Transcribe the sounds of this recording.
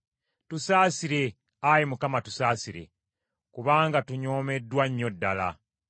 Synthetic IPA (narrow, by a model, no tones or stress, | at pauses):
tusaːsiɾe̞ | ajimukamatu̥saːsiɾe̞̰ | kuβaːŋɡatuɲoːme̞dːwaɲːo̞dːala̰